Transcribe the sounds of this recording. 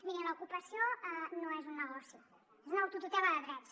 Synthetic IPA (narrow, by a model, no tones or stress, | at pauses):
miɾələukupəsioɛnoɛzunːəɣɔsi | znɔwt̪ut̪ut̪ɛβaðəðɾɛs